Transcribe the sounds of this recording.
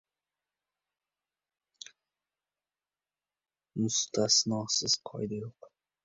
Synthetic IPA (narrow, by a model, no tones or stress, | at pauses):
mʊst̪ʰasnɒsɪz̥qʰɒ̰jd̪ajoq